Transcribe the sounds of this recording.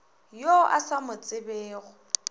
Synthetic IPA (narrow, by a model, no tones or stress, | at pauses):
joʔa̰samʊt͡sʼɪbeːɣʊ